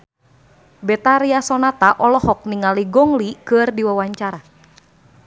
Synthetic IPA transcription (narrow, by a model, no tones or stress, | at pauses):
bɛt̪aɾiasɔnat̪aʔɔlɔhɔk̚niŋaliɡɔŋlikɨrdiwawaɲt͡ʃaɾa